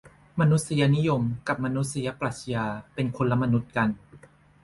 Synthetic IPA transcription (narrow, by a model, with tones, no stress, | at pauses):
ma˧nu˦˥t̪̚si˧ja˧ni˦˥jo˧mka˨˩p̚ma˧nu˦˥t̪̚si˧ja˦˥pla˨˩t̪̚si˧jaː˧pe˧nkʰo˧la˧ma˧nu˦˥t̪̚ka˧n